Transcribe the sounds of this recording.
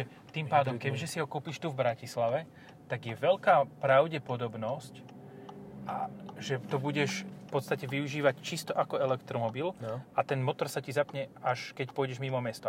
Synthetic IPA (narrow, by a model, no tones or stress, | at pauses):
ɛ | t̪iːmpaːd̪ɔmkɛbʒɛsiɦɔkupiːʃt̪uvbɾacislaʋɛ | t̪aɡjɛʋɛʎkaːpɾaʊɟɛpɔd̪ɔbnɔsc | ʔaʒɛt̪ɔbuɟɛʃfpɔt̪st̪acɛʋiuʒiːʋact͡ʃist̪ɔʔakɔɛlɛkt̪ɾɔmɔbilʔat̪ɛnmɔt̪ɔɾsacizapɲɛaʃkɛcpʊɔjɟɛʒmimɔmɛst̪ɔ